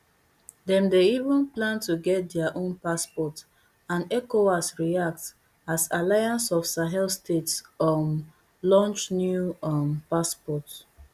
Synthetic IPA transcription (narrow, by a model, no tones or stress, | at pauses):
dɛ̃mdeivə̃nplãntuɡɛt̚dɛaʔõnpaspɔt | ãnɛkoasɹiak̚t | asalajãnsɔfsaɦɛlstetsɔm | lɔ̃nt͡ʃnjumpaspɔt